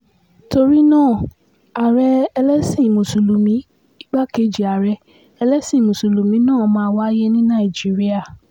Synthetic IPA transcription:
to˧ɾi˦nãː˦˨ | a˨ɾɛ˧ɛ˧lɛ˦sĩ˦˨mõ˨su˨lu˨mĩ˨˦ | i˦ɡ͡ba˦ke˨˧d͡ʒi˨a˨ɾɛ˧ | ɛ˧lɛ˦sĩ˦˨mõ˨su˨lu˨mĩ˨˦nãː˦˨˦mãː˦˧˦wa˦je˦nĩ˦nã˦˨i˨d͡ʒi˨˦ɾi˦a˦˨

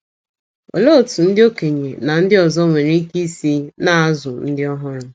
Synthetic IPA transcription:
o̰˨lo˦˨tu˨n̩˦dɪ˦o˦ke˨ɲe˨na˨n̩˦dɪ˦ɔ˨zɔ˦ŋʷe˨ɾi˦ki˦si˦na˦˨a˦zʊ˨n̩˦dɪ˦ɔ˦ɦɔ˦ɾʊ˦

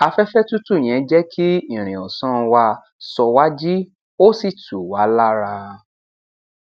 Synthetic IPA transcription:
a˧fɛ˦fɛ˦tu˦tu˦˨j̃ɛ̃˨˦d͡ʒɛ˦kʰi˦ĩ˦˨ɾ̃ĩ˨ɔ˨sɔ̃˦˧wa˧ | sɔ˧wa˦d͡ʒi˦ | o˦si˦˨tu˨wa˨˦la˦ɾa˧

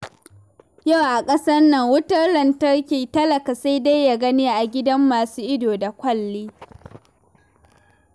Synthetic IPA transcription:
ja˦˨wʔa˨kʼɐ˦sɐ˦rnɐ˨ŋwʊ˦tɐ˦rlɐ˨ntɐ˦rkʲiː˨tɐ˦lɐ˨ka˨sa˦jda˦jːa˦˨ɡɐ˦niː˦ʔa˨ɡʲɪ˦dɐ˦mːaː˨suː˦ʔɪ˦doː˨da˨kʷɐ˦lːeː˦

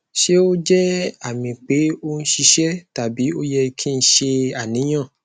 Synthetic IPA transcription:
ʃe˦o˦d͡ʒɛ˦a˦˨mĩ˨k͡pe˨˦o˦n̩˦ʃi˧ʃɛ˦ta˨bi˨˦o˦jɛ˧kʰi˦˧n̩˦ʃe˧a˨nĩ˨˦j̃ã˦˨

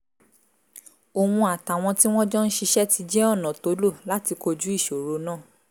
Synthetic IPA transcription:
o˨wũ˧a˨ta˨w̃ɔ̃˧ti˦w̃ɔ̃˦d͡ʒɔ˦n̩˦ʃi˧ʃɛ˦ti˧d͡ʒɛ˦ɔ˦˨nã˨to˨˦lo˦˨la˨˦ti˧ko˧d͡ʒu˦i˦˨ʃo˨ɾo˨˦nãː˦˨

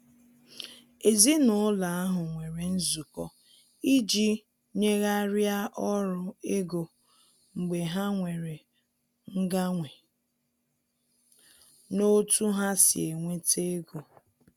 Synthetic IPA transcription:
e˨zi˦nʊ˨˦la˨a˦ɦʊ˨ŋʷe˨ɾe˨n̩˦zu˨kɔ˦ | i˦d͡ʒi˦ | ɲe˦ɣa˦ɾja˦ʔɔ˦ɾʊ˦e˦ɡo˨ | ŋ͡m̩˨ɡ͡be˨ɦa˦ŋʷe˨ɾe˨ | ŋ̩˦ɡa˦ŋʷe˨ | no˦tu˦ɦa˦sɪ̰˨e˨ŋʷe˦te˦ɡo˨

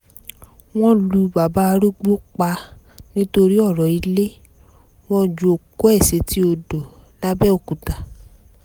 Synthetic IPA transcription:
w̃ɔ̃˦lu˧ba˨ba˦a˧ɾu˦ɡ͡bo˦k͡pa˧ | nĩ˦to˧ɾi˦ɔ˦˨ɾɔ˨i˧le˦ | w̃ɔ̃˦d͡ʒo˨˧o˨ko˦ɛ˦˨se˨˧˦ti˦o˧do˨ | la˦bɛ˦o˦˨ku˨ta˨

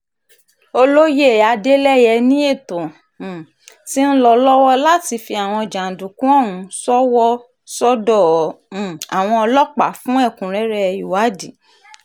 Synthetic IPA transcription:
o˧lo˦je˦˨a˧de˦lɛ˦jɛ˧nĩ˦e˦˨tõ˨ | ti˦n̩˦lɔ˧lɔ˦wɔ˦la˦ti˧fi˧a˨w̃ɔ̃˧˨d͡ʒa˨n̩˨du˨kũ˦ɔ˦˨wũ˨˦sɔ˦wɔ˦ | sɔ˦dɔ˦˨˦ | a˨w̃ɔ̃˧ɔ˧lɔ˦k͡pa˨fũ˦ɛ˦˨kũ˨ɾ̃ɛ˨˦ɾɛ˦˧ju˨wa˨˦di˨

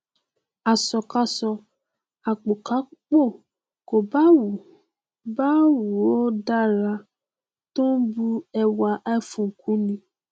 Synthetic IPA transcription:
a˨sɔ˨ka˧sɔ˧ | a˨k͡po˨ka˨˦k͡po˦˨ | ko˨ba˦wu˨ | ba˦wu˨o˦da˦ɾa˧ | to˦n̩˦bu˧ɛ˧wa˧ʔa˧˦i˦˨fũ˨ŋ̩˨kũ˨˦nĩ˧˦

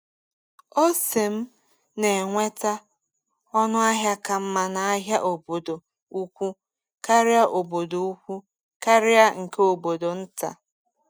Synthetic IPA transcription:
o˦se˨m̩˦ | ne˨ŋʷe˦ta˦ | ɔ˦nʊ˦a˦ɦja˦ka˨m̩˦ma˨na˨a˦ɦja˦ʔo˨bo˨do˨ | u˦kʷu˦ | ka˦ɾɪ˦a˦ʔo˨bo˨do˨u˦kʷu˦ | ka˦ɾɪ˦a˦ŋ̩˨ke˦o˨bo˨do˨n̩˦ta̰˨

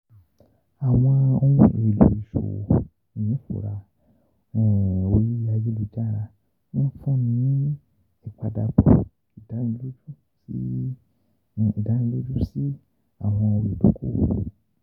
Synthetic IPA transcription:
a˨w̃ɔ̃˧o˧jũ˦˧˨i˨lṵ˨i˨ʃo̰˨ | i˨ĩ˨˦fṵ˨ɾa˧˨ | o˨ji˦a˧je˦lu˨d͡ʒa˦˨ɾa˧ | ñ̩˦fũ˦nĩ˦ | ɛ˨k͡pa˧da˧bɔ̰˨ | i˨da˨˦nĩ˦lo˦d͡ʒũ˦ | si˦˨ | i˨da˨˦nĩ˧˦lo˦d͡ʒu˦si˦ | a̰˨w̃ɔ̃˧o˧ɾi˨du˨˦kʰo̰˦˨

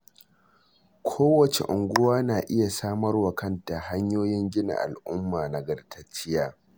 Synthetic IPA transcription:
kʷʰoː˦wɐ˨t͡ʃḛ˨ʔʊ˨ŋɡʷʊ˦waː˦naː˨ʔɪ˦ja˨saː˦mɐ˦rwa˨kɐ˦nta˨ha˦ɲjoː˦jɪ˦ŋɡʲɪ˦na̰˨ʔa̰˨lʔʊ˦mːaː˨na˨ɡɐ˦rtʰɐ˦t͡ʃɪ˦jaː˨

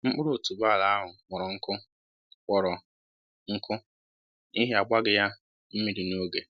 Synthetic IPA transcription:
ŋ͡m̩˦k͡pʊ˦ɾo˨tu˨ba˦˨la˨a˦ɦʊ˨ŋʷɔ˨ɾɔ˨ŋ̩˦kʊ˦ | k͡pʷɔ˨ɾɔ˨ | ŋ̩˦kʊ˦ | ni˦ɦe˦a˨ɡ͡ba˦ɡɪ˨ja˦ | m̩˦mi˨ɾi˨n˦o˦ɡe˨

